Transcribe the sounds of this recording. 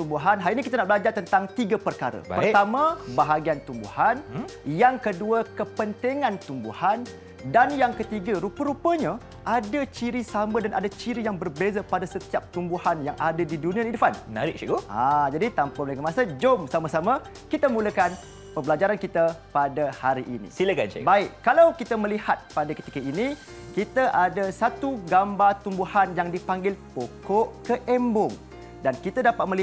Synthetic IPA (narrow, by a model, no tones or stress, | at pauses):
t̪umbuɦanɦainikit̪anaʔbəlad͡ʒart̪ənt̪aŋt̪iɡapərkaɾə̰pərt̪amãbaɦaɡiant̪umbṵhanjaŋkəduəkəpənt̪iŋãnt̪umbṵhan | danjaŋkət̪iɡaɾupəɾupəɲã | ʔadat͡ʃiɾisamə̃danʔa̰dat͡ʃiɾijaŋbərbezapadasət̪iap̚t̪umbuhanjaŋʔadadidunĩãnidufanmənaɾɪʔʃiɡoad͡ʒadit̪ampaməlakəmãsəd͡ʒomsamasama | kit̪amũləkan | pəmbəlad͡ʒaɾankit̪apadahaɾiʔinḭ̃siləka̰nʃɛ̰baɪkkːalawkit̪amə̃lihat̪̚padakət̪i̥kəini | kit̪aʔadasat̪uɡambat̪umbuhanjaŋdipaŋɡɪlpokɔʔkəʔɛmbʊŋ | dankit̪adapat̪̚mə̃li